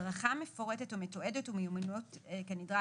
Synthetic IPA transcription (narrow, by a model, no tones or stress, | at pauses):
ʁaχame̞fo̞ʁete̞tumetoe̞detumejumanotːkenidʁa